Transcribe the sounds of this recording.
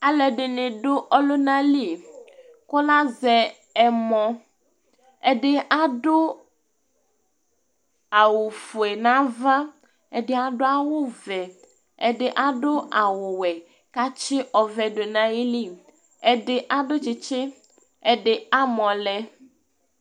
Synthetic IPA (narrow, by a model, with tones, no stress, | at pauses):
a˨lɛ˨ɖe˨nẽ˨ɖo˦ʔɔ˦lo˦nã˦li˦˨ | kɔ˦la˦zɛ˨ | ɛ˨mɔ̃˦ | e˦ɖe˦ʔa˦ɖo˦ | a˨wo˨fu˨e˨nã˦vã˦ | e˦ɖe˦a˨ɖo˦a˦wo˦vɛ˨ | ḛ˦ɖe˦ʔa˦ɖo˦ʔa˨wo˨wɛ˨ | ka˦t͡ʃe˦ʔɔ˨vɛ˨ɖo˨nã˦ji˦li˦ | e˦ɖe˦ʔa˦ɖo˦t͡ʃi˨t͡ʃe˦ | e˦ɖe˦a˦mɔ̃˨lɛ˦